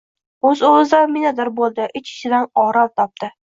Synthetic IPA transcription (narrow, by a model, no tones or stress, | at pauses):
ɵzozd̪anmɪnad̪ɪɾbolˠd̪ɪʔɪt͡ʃɪ̥ʃɪd̪anɒɾalt̪ʰɒp̚t̪ɪ